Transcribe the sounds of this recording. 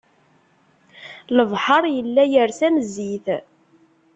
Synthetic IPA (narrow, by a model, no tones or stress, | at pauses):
ləvħɑɾˤjəlːæjəɾsænəzːiθ